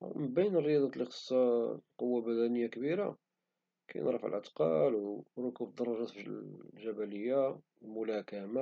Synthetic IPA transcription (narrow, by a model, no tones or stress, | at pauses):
mbæjːənərːəjɑd̪ˤɑt̪lixə̥sˤːɑqowːabæd̪ænəjːakbiɾa̰ | kæ̰jnɾˤə̰fʕ̰lʕə̰t̪qɑ̰lwɾokubd̪ɑrˤɑʒɑt̪fiʒæbæləjːa | mʊlækæma